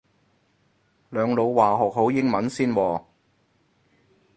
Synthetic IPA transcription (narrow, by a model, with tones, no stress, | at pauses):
lœː˨˧ŋlo˨˧wwaː˨˩ɦɔː˨k̚ɦo˨˥wjɪ˥ŋmɐ˨˥nsiː˥nwɔː˨